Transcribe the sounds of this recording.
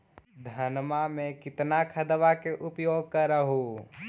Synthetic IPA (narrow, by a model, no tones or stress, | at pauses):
d̪ʱɐnmamẽkɪt̪nakʰɐd̪ʋakeʔʊpjoːɡ̚kəɾəɦo